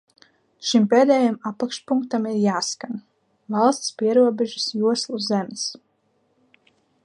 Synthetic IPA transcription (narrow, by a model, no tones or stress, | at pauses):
ʃimpeːd̪ɛːjamapakʃpuŋk̚t̪amiɾjaːskan | vɑlˠst̪spiɛɾuɔbɛʒisjuɔslˠuzɛms